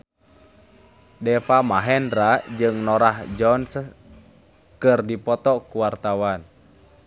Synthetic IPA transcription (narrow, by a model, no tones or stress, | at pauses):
dɛfamaɦɛndɾad͡ʒɨŋnɔɾahd͡ʒɔns | kɨrdipɔt̪ɔkuwart̪awan